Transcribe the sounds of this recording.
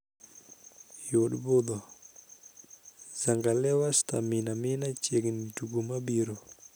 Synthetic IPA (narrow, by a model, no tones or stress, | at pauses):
joɗbod̪ɔ | z̥aŋɡalɛwast̪aminamɪnat͡ʃeɡniduɡumabiɾo